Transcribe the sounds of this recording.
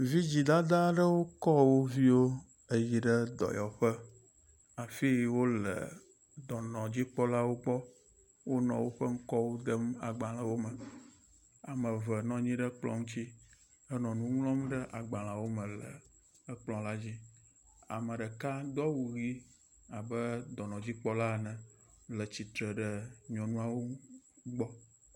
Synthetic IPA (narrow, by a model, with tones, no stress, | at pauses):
vi˦d͡ʑi˨d̪a˦d̪a˦ɖə˦wo˦kɔ˦wo˦vi˦wo˦ | ə˨ji˨ɖə˦d̪ɔ̰˨jɔ˨ɸə˦ | a˨fi˦wo˦lə̰˨ | d̪ɔ˨nɔ̃˨d͡ʑi˦k͡pɔ˦la˦wo˦ɡ͡bɔ˦ | wo˦nɔ̰̃˨wo˦ɸə˦ŋ̩˦kɔ˦wo˦d̪ə˦ma̰˨ɡ͡ba˨lã˨wo˦mə˨ | a˨mə̃˨və˨nɔ̃˨ɲĩ˦ɖə˦k͡plɔ̰̃˨ŋũ˦t͡ɕi˦ | ə˦nɔ̃˨nũ˦ŋ˦lɔ̃˦mɖə˦ʔa˨ɡ͡bã˨lã˨wo˦mə̃˨lə̰˨ | ə˦k͡plɔ̃˨la˦d͡ʑi˦ | a̰˨mə̃˨ɖə˨ka˦d̪ɔ˦wu˨ɣi˦ | a˨bə˦d̪ɔ˨nɔ̃˨d͡ʑi˦k͡pɔ˦la˦˨nɛ̃˨ | lə˨t͡ɕi˨t̪ɾə˨ɖə˦ɲɔ̃˨nũ˦a˦˨wo˦ɡ͡bɔ˦